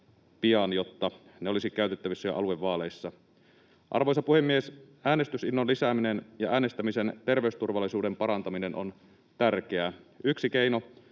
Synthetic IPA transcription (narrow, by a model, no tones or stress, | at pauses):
piɑnjo̞t̪ːɑ | neo̞lisikæyt̪et̪ːæʋisːæjo̰ʔɑ̰lueʋːɑːle̞jsːɑ | ʔɑ̰rʋo̞jsɑpuhemːiesʔæːne̞st̪ysinːonlisæːminenjɑʔæːne̞st̪æmise̞nt̪e̞rʋe̞yst̪urʋɑlːˑisuːde̞mpɑɾɑnt̪ɑmine̞nʔo̞̰n | t̪ærkeæyksike̞ijno̞